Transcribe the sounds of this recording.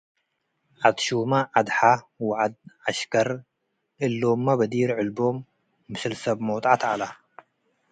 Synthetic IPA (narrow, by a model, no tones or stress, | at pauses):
ʕat̪ʃumaʕad̪ħa | waʕad̪̚ʕaʃkʰɐɾ | ʔɨlːomːabɐd̪iɾʕɨlbomː | ɨsɨlsɐbmowt̪ʼat̪ala